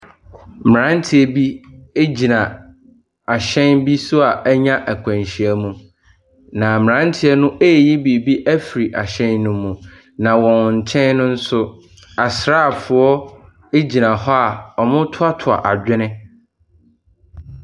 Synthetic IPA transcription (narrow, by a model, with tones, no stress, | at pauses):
mɪ˨ɾã˦n˦tʰɪ˨ɛ˨bi˦e˦d͡ʑi˨nã˨ | a˨ɕɛ̃˦nbi˦sʊ˦a˨ʔæ˦ɲã˦ʔæ˨kʷʰã˨nɕi˨æ˦mũ˨ | nã˨m˨ɾã˦n˦tʰɪ˦ɛ˦nʊ̃˦ʔe˦˨ji˦bi˨bi˦ʔæ˦fi˨ɾi˨ʔa˨ɕɛ̃˦nːʊ̃˨mũ˨ | nã˨wɔ̃˨n˨ɲ̩˨t͡ɕʰɛ̃˦nnʊ̃˦n̩˦sʊ˦ | a˨sɾaː˦˨fʊ˨ɔ˦ | e˦d͡ʑi˨nã˨hɔ˦a˨ɔ˨mʊ̃˦tʰʊ˦a˦tʰʊ˨a̰˨ʔa˨d͡ʑᶣɪ˦nɪ̃˦